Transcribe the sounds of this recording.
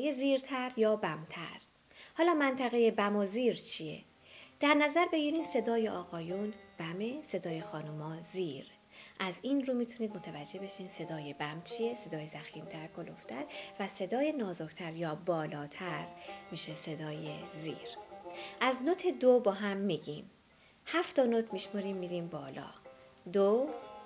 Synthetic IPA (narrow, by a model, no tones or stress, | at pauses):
jeziːɾt̪ʰæɾjɒːbæmt̪ʰæ̰ɾ | hɒːlɒːmænt̪ʰæɣe̞je̞bæmoziːɾt͡ʃʰie̞̰ | d̪̥æɾnæzæɾbe̞ɡiɾiːnse̞d̪ɒːjeʔɒːɣɒːjuːnb̥æmese̞d̪ɒːjexɒːnumɒːziːɾ | ʔæziːnɾuːmiːt̪ʰuniːd̪̚mo̞t̪ʰævæd͡ʒːe̞be̞ʃiːnse̞d̪ɒːje̞bæmt͡ʃʰije̞se̞d̪ɒːjezæxiːmt̪ʰæɾkʰoloft̪ʰæɾvæse̞d̪ɒːje̞nɒːzokt̪ʰæɾjɒːbɒːlɒːt̪ʰæɾmiːʃese̞d̪ɒːjezḭːɾʔæznot̪ʰed̪obɒːɦæmːiːɟiːm | hæft̪ɒnot̪ʰmiʃmoɾiːmːiːɾiːmbɒːlɒ̰ː | d̪o